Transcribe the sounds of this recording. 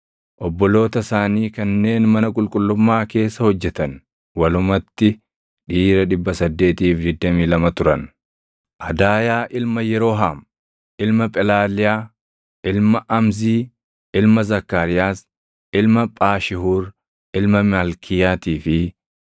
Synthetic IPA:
ʔɔbːɔlo̞ːt̪ɐsaːniːkɐnːe̞ːnmɐnɐkʼʊlkʼʊlːʊmːaːke̞ːsːɐhɔd͡ʒːɛt̪ɐn | wɐlʊmɐt̪ːɪ | ᶑiːɾɐᶑɪbːɐsɐd̪ːe̞ːt̪iːfd̪ɪd̪ːɐmiːlɐmɐt̪ʊɾɐn | ʔɐd̪aːjaːʔɪlmɐjɛɾo̞ːɦaːm | ʔɪlmɐpʼɛlaːlɪjaː | ʔɪlmɐʔɐmziː | ʔɪlmɐzɐkːaːɾɪjaːs | ɪlmɐpʼaːʃɪhuːɾ | ʔɪlmɐmalkʰɪjaːt̪iːfɪ

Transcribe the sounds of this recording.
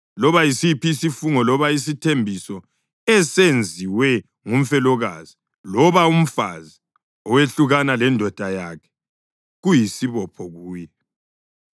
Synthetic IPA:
lɔβajisipisifuŋɔlɔβais̬itʰembʱisɔ | ɛsend͡zʱiwɛ | ŋum̩fɛlɔɣazi | lɔβaum̩fa̰zi | ɔweɬuɣanalɛndʱɔd̥ʱajaːkʰɛ̥ | ɣujisiβɔpʰɔɣuːjɛ

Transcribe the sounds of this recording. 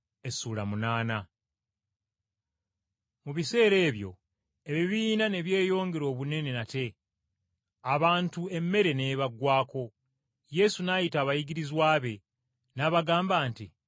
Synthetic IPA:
e̞suːlamunaːna | muβise̞ːɾe̞ːβjo̞̰ | eβiβiːnane̞βje̞ːjo̞ːŋɡeɾoːβune̞ne̞nate̞ | aβaːntue̞mːe̞ɾe̞ne̞ːβaɡwaːko̞ | je̞sunajitaːβajiɡiɾizwaːβe̞ | naβaɡaːmbaːnti

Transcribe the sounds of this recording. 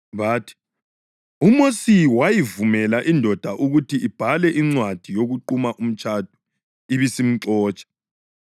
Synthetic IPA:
βaːtʰi̥ | umosiwajivumɛlaʔindʱɔd̥ʱaʔuɣutʰiʔib̥ʱalɛʔiŋ͡ǀwad̥ʱijoɣuǃumaʔum̩t͡ʃʼʰad̥ʱu̥ | iβisim̩ǀɔːt͡ʃʼɛ̥

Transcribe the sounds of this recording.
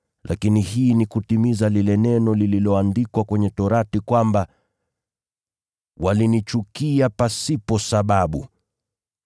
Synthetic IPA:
lʔakinihiːnikutimizalilɛnɛnɔlililɔandikwakwɛɲɛtɔɾatikwamba | walinit͡ʃukiapasipɔsaɓaɓu

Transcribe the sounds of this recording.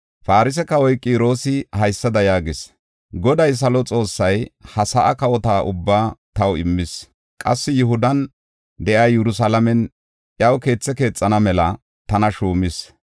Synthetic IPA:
faːɾɪs̬ɛkɐwɔjkʼːiːɾo̞ːsɪhɐjsːɐd̪ɐjaːɡɪs | ɡɔd̪ɐjs̬ɐlɔt͡sʼo̞ːsːɐjhɐsɐʔɐkɐwɔt̪aːʔʊbːaːt̪ɐwɪmːɪs | kʼɐsːɪjʊhʊd̪ɐn | d̪ɛʔaːjɛɾʊs̬aːlɐmɛn | ʔjɐwke̞ːt͡sːɛke̞ːt͡sʼːɐnɐmɛlɐ | t̪ɐnɐʃuːmɪs

